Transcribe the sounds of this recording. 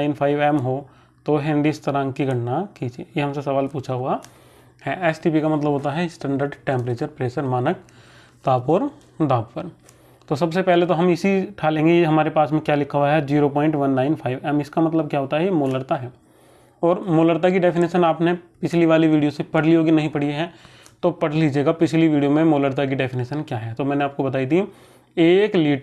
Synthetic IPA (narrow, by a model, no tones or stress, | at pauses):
aɪnpʰaːɪʋɛːmɦo | t̪oɦẽːɳɖiɪst̪ɐɾãːŋɡkiɡʱɐʈnakid͡ʒiḛːjeɦɐmsesɐʋaːlpuːt͡ʃʰaɦua | hɛɛːsʈip̬ikamɐt̪ləbʱɦoːt̪aɦɛsʈɛ̃ːɳɖəɾɖʈẽːmpɾeːt͡ʃəɾpɾeːsəɾmaːnək̚ | t̪aːpɔːɾ | d̪aːppəɾ | t̪osɐbsepɛɦlet̪̬oɦɐmɪsiʈʰaːlẽːŋɡejeɦɐmaːɾepaːsmẽkjaːlɪkʰaɦuaɦɛd͡ʒiːɾopɔ̃ːɪ̃ɳʈʋɐnːaːɪnpʰaːɪʋɛːmɪskamɐt̪ləb̚kjaɦoːt̪aɦɛjemoːləɾt̪aɦɛː | ɔːɾmoːləɾt̪̬ak̬iɖɛfʰɪneːʃənaːpnepɪt͡ʃʰliʋaːliʋiːɖijosepɐɽ̤liɦoːɡinɐɦĩpɐɽ̤ieɦɛ̃ | t̪opɐɽ̤liːd͡ʒeːɡapɪt͡ʃʰliʋiːɖijomẽmoːləɾt̪̬ak̬iɖɛfʰɪneːʃənkjaːɦɛt̪omɛ̃ːneaːp̚kobɐt̪aːid̪i | eːkliːʈ